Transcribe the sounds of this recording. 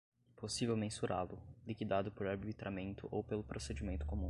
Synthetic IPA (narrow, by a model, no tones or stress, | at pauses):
posivewmẽsuɾalʊlikid̪ad̪ʊpoɾaɾbit̪ɾʔamẽnt̪ʊʔowpelʊpɾosed͡ʒimẽnt̪ʊ̥komũ